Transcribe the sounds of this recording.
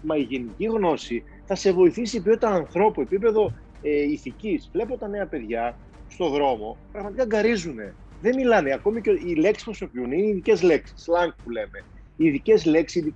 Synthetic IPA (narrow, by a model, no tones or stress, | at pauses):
mɐiʝe̞niciɣno̞si | θɐse̞vo̞iθisipjot̪ɐnɐ̃nθɾo̞pue̞pipe̞ðo̞ | eiθicisvle̞pot̪ɐne̞ɐpe̞ðʝɐ | st̪o̞ðɾo̞mo̞pɾɐɣmɐt̪ikɐɡɐɾizune̞ | ðe̞milɐneɐko̞micoile̞ksi̥pɾoso̞piunineiðice̞zle̞ksi̥slɐŋkpule̞me̞ | iðice̞zle̞ksiiði